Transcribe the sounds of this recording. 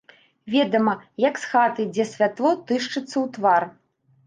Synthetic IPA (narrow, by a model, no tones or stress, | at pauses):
vʲɛd̪ɐmɐjɐksxat̪ɨd͡zʲɛsʲvʲat̪lˠɔt̪ɨʂt͡ʂɨt̪sːɐwt̪var